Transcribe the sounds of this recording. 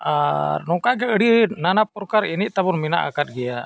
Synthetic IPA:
aɾnɔkaɡɛəɽinanapɔɾkaɾiniʔ̚t̪abɔnmina̰ʔa̰kat̪̚ˀɡɛja

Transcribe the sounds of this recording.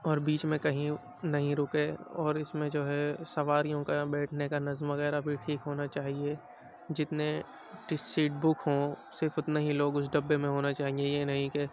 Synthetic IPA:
ɔːɾbiːt͡ʃmẽkɐɦĩ | nɐɦĩɾʊkeɔːɾɪsmẽd͡ʒoːɦɛsɐʋaːɾijõkabɛːʈʰnekanɐzmʋɐɣɛːɾabʱiʈʰiːkɦoːnat͡ʃaːɦie | d͡ʒɪt̪ne | ʈɪsiːʈ̚bʊkʰɦõsɪɾfʊt̪neɦiloːɡʊsɖɐbːemẽɦoːnat͡ʃaːɦiejenɐɦĩke

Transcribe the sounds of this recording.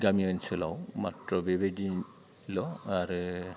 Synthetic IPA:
ɡamiɔnsɛlawmatɹɔbebedi | lɔaɾɯ

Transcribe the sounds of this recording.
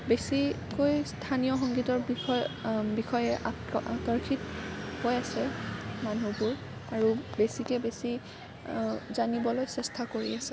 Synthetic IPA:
besi | kojstʰanijɔxɔŋɡitɔɹbiɔbixɔjɛʔa | a̰tɔɹkʰithojasɛmanupuɹ | aɹubesikɛbesi | zanibɔlojsɛstʰakoɹḭasɛ

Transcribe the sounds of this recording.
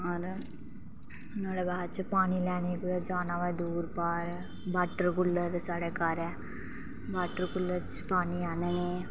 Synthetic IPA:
ɐɾ | naːɽebaɦt͡ʃpaːnilɛːnikd͡ʒaːnaʋad̪uːɾpaːɾ | baːʈːəɾkulːəɾsaːɽeːkaːɾɛ | baːʈəɾkulːɐɾt͡ʃpaːɳiaːnene

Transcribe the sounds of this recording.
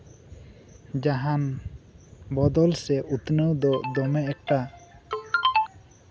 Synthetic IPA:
d͡ʒaɦan | bɔd̪ɔlsɛʔut̪nəwd̪ɔd̪ɔmɛɛk̚ʈa

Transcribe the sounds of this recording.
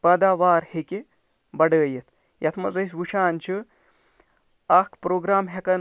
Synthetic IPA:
pɐːd̪aːʋaːɾhekʲe | bɐɽɖəːjɐt̪ʰ | jɐt̪ʰmɐzɐjs̬ʋuʃaːnʲt͡ʃʰi | ɐkʰpɾoːɡɾaːmɦɐkɐn

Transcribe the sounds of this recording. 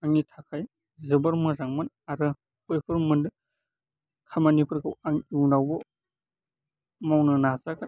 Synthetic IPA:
aŋitʰakʰaj | zɯbɐɾmɯzaŋmɯn | aɾɯ | kɔjpʰɯɾmɯndɯ | kʰamanipʰɯɾɡɯwaŋiwnawbɔ | mawnɯnazaka

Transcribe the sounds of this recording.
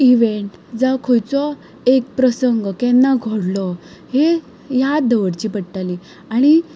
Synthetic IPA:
iʋeɳʈd͡zəkʰojt͡sɔ | ek̚pɾəsəŋɡkɛnːaɡʱoɽlɔ | he | jad̪əʋəɽt͡ɕiːpəɽʈali | aɽ̃i

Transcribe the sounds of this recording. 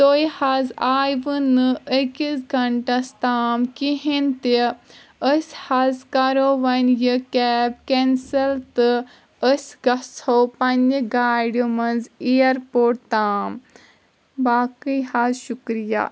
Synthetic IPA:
t̪oːjhazaːjʋɨnɨəkisɡɐɳʈɐst̪aːmkiɦint̪i | əsʲhɐzkɐɾoːʋɐnjɨkɛːb̚kɛnsɐlt̪ɨ | əsʲɡɐshopɐnɡaːɖmɐnzijɐɾpoːʈ̚t̪aːm | baːkɨhazʃukɾija̰ː

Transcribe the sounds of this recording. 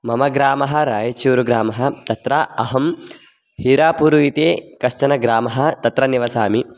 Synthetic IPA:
mɐmɐɡɾaːmɐɦɐ̆ɾaːjɐt͡ʃuːɾuɡɾaːmɐɦɐ̆t̪ɐt̪ɾaɐɦɐm | hiːɾaːpuɾuit̪eːkɐʃt͡ʃɐnɐɡɾaːmɐɦɐ̆t̪ɐt̪ɾɐniʋɐsaːmi

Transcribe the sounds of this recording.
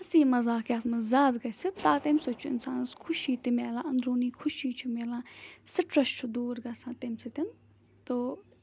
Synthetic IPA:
ɐsiːmɐzaːkʲjaːt̪ʰmɐzaːd̪ɡɐsit̪aːt̪emsot͡ʃʰuɪ̰nsaːnɐskʰʊʃiːt̪imeːlãːɐnd̪ɾuːniːkʰʊʃiːt͡ʃʰumeːlãːsɪʈɾɐʃt͡ʃʰud̪uːɾɡɐsãːt̪emsit̪ɪn | t̪o

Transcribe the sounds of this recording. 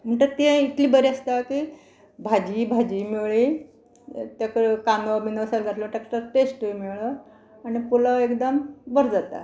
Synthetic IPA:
m̤əɳʈ̪əɾt̪ẽit̪liːbəɾiast̪aki | bʱad͡ʑibʱad͡ʑiːmeɭi | t̪jakəɾekanobʱinəʋsalɡʱat̪ləmʈ̪aksʈəɾʈesʈmiɭə | anipolaekd̪əmbəɾd͡zat̪a̰

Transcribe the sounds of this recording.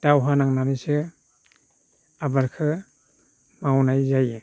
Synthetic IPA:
d̥awɦanaŋnamisɯ | abaɾkʰɯ | mawnajzaj

